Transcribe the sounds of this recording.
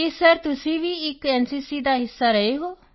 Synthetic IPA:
esəɾt̪ʊsĩːʋiːɪkɛːnsiːsiːd̪aːɦɪsːaːɾəeːɦoː

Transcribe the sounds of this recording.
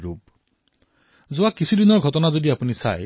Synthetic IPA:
ɹup̚ | zʊwakisʰudinɔɹɡʱɔtɔnazodiapunisa̰j

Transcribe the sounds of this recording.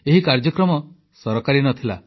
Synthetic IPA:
eɦikaɾd͡ʒɔkɾɔmɔ | sɔɾɔkaɾinɔt̪ʰila̰

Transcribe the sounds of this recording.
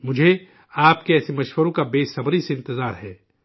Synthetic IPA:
mʊd͡ʒʱe | aːp̚keɛːsemɐʃwəɾõkabeːsɐbɾiseɪ̃nt̪ɪzaːɾɦɛː

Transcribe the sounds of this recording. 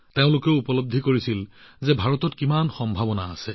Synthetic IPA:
teʊ̃lʊkeʊupɔlob̚d̪ʱikoɹisilzɛbʱaɹɔtɔtkimanxɔmbʱabɔnaːsɛ

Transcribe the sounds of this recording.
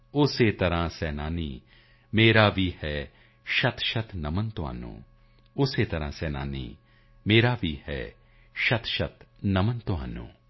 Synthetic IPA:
ʊseːt̪ɐɾãːsɛːnaːniː | meːɾaːʋiːhɛː | ʃɐt̪ʰʃɐt̪nɐmənt̪ʊa̰ːnṵ̃ː | ʊseːt̪ɐɾãːsɛːna̰ːnḭː | meːɾaːʋiːhɛ̰ː | ʃɐt̪ʰʃɐt̪nɐmənt̪ʊa̰ːnṵ̃ː

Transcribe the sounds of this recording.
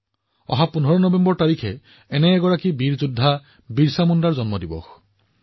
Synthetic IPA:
ɔ̰ɦapun̤ɔɾɔnɔbembɔɹt̪aɾikʰe | eneːɡɔɹakibiɾd͡ʒud̪ʱːa | biɾsamund̪aɹd͡ʒɔnmɔd̪ibɔ̰x

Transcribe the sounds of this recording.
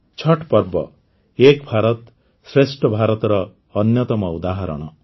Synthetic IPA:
t͡ʃʰɔʈpɔɾbɔ̰ | ekbʱaɾɔt̪ | sɾesʈɔbʱaɾɔt̪ɔɾɔː | njɔt̪ɔmɔud̪aɦɔɾɔ̰ɽ̃ɔ̰

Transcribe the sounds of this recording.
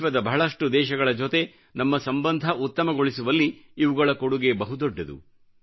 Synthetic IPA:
ʋɐd̪ɐbɐɦɐɭɐʂʈud̪ɛːʃɐɡɐɭɐd͡ʒot̪e̞ | nɐmːɐsɐmbɐnd̪ʱɐʔut̪ːɐmɐɡoɭisuʋɐlːiːʋuɡɐɭɐkoɽuɡe̞bɐɦud̪ɔɖːɐd̪ṵ

